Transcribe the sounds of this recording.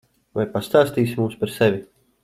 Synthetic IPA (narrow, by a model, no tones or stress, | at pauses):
vajpast̪aːst̪iːsimuːspaɾsɛvʲi